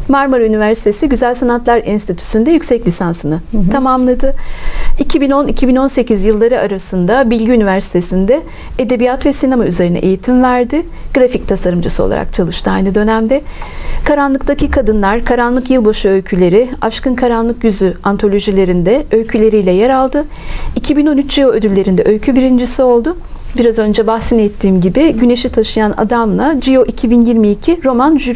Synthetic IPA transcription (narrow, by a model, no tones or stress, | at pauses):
maɾmaɾynivæɾsi̥t̪ʰe̞siɟyzælʲsanat̪lˠaɾinst̪ʰit̪ʰy̥synd̪ɛjycsɛclʲisansɯnɯt̪ʰamamlˠad̪ɯicʰibino̞nicʰibino̞nsecʰizjɯlˠːaɾɯaɾasɯnd̪abilʲɟiynivæɾsi̥t̪ʰe̞sind̪ɛ | ed̪e̞bijat̪vɛsinamayze̞ɾinɛ̰ʔḛjit̪ʰimvæɾd̪ɪ | ɡ̥ɾafic̚t̪ʰasaɾɯmd͡ʒɯsɯolˠa̰ɾa̰k̚t͡ʃʰalˠɯʃt̪ɯajnɯd̪ø̞næmd̪ɛkʰaɾanlˠɯk̚t̪ʰacʰikʰad̪ɯnlˠaɾkʰaɾanlˠɯkjɯlˠbaʃɯølcʰylʲe̞ɾɪaʃkɯnkʰaɾanlˠɯkjyzyant̪ʰo̞lʲo̞ʒilʲe̞ɾind̪ɛøjcʰylʲe̞ɾijlʲɛjaɾalˠd̪ɯ | icʰibino̞nyt͡ʃd͡ʒio̞ød̪ylʲːe̞ɾind̪ɛʔø̞jcʰybiɾind͡ʒisio̞lˠd̪ʊ | biɾazø̞nd͡ʒɛbaxsinɛt̪ʰːiːmɟibɪɟyne̞ʃit̪ʰaʃɯjana̰d̪amlˠad͡ʒio̞ʔicʰibinjiɾmiːcʰiɾo̞manʒyɾ